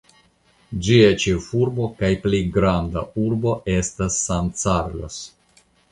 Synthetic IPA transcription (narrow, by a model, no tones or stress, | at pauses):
d͡ʒiet͡ʃefuɾbo̞kajpleɡɾandauɾbo̞ʔe̞stasːant͡saɾlo̰s